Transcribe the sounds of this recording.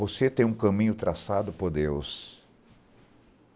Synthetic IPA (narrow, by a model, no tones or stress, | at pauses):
voset̪ẽj̃ũkɐ̃mĩɲʊt̪ɾasad̪ʊpoɾd̪ews